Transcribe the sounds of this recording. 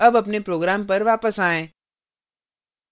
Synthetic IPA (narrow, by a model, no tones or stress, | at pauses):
əbɐpnepɾoːɡɾaːmpəɾʋaːpəsaːẽː